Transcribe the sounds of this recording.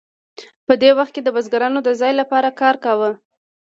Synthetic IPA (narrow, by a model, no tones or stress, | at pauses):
pəd̪ewaxt̪̚ked̪əbazɡaɾɑnod̪əzɑjlapɑɾakɑɾkawə